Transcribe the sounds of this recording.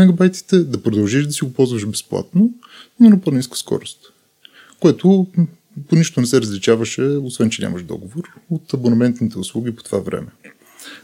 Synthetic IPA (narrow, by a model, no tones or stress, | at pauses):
mɛɡɐbajt̪i̥t̪ɛd̪ɐpɾod̪ɐlˠʒiʃd̪ɐsiɡopɔlˠzvəʃbɛsplˠa̰t̪noʊ | nonoponiskə̥skɔ̰ɾost̪ | koɛt̪o | poniʃt̪onɛsɛɾəzlit͡ʃavəʃɛosvɛnt͡ʃɛnʲa̰mɐʃd̪ɔ̰ɡovoɾot̪ɐbonɐmɛnt̪nit̪ɛʊslˠuɡʲipo̥t̪ovavɾɛ̰mɛ